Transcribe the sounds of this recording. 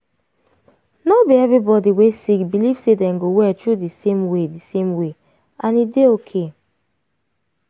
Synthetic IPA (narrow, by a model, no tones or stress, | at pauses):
nobiɛvɹibɔdiwesik̚biliv̥sedɛ̃mɡowɛtʰɹudisẽmwedisẽmwe | ʔãnideokʰe